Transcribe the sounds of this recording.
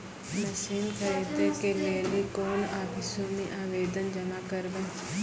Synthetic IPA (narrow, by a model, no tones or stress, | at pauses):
nɐsiːnkʰəɾeːt̪ekeɾeːliːkoːnaːbʱɪsomĩʔaːʋeːd̪ənd͡ʒɐmaːkəɾbə̃